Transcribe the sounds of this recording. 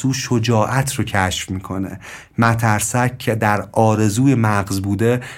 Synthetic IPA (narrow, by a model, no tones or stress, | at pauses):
uːʃod͡ʒɒːʔæt̪ʰrocʰæʃfmiːkʰo̞nḛ | mæt̪ʰæɾsæcʰːed̪æɾɒːɾe̞zuːjemæɢzbuːd̪e̞